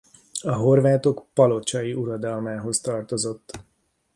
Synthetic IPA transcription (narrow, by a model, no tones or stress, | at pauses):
ɒɦo̞rvaːt̪o̞kpɒlo̞t͡ʃɒjiʔuɾɒd̪ɒlmaːɦo̞st̪ɒrt̪o̞zo̞t̪ː